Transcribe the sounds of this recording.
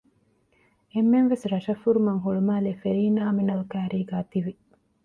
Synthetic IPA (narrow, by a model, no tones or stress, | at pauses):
emːenʋesɾɐʃɐfːuɾumɐŋɦuɭumaːleːfeɾiːnaːminɐlkæːɾiːɡaːt̪iʋi